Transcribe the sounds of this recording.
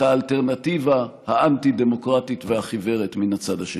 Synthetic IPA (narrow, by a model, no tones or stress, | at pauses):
aːlte̞ʁnativahaantide̞mo̞kʁatit̪vehaχive̞ʁet̪minhat͡sadaʃe